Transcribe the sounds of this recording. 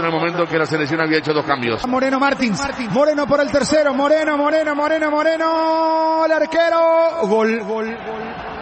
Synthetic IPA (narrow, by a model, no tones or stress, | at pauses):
nelmo̞mẽnt̪oŋkelaseleks̬θjonaβiaet͡ʃoðoskambjosmoɾenomaɾt̪insaɾimoɾenopoɾelt̪eɾseɾomoɾenomoɾenomoɾenomoɾeno | laɾkeɾoɣol